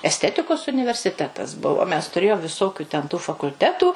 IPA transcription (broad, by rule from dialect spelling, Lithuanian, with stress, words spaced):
ɛsʲˈtʲæːtʲɪkoːs ʊnʲɪʋʲɛrʲsʲɪˈtʲæːtɐs ˈbʊʋoː mʲɛs tʊˈrʲeːjoːm ʋʲɪˈsoːkʲʊ tʲɛn tuː fɐkʊlʲˈtʲæːtuː